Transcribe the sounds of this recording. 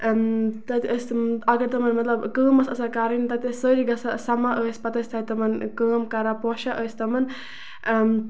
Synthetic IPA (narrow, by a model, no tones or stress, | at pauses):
mt̪ɐt̪iʔəsɐɡɐɾt̪ɐmɐnmɐt̪lɐbkəːməsəsakaɾint̪ɐt̪isəɾiɡɐsasɐmaʔəːsʲpɐt̪ɐsʲt̪ʰat̪ɐmɐnkəːmkɐɾapɔʃaʔəːst̪ɐmɐn